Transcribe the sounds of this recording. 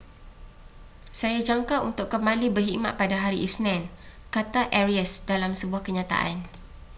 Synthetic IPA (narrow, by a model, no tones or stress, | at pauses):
sajad͡ʒaŋkaunt̪ʊkkːəmbalibərɦiʔma̰ʔ̪̚padaɦaɾiʔisnɛ̃nkat̪aʔɛɾiəsdalamsəbuahkəɲãt̪a̰ʔa̰n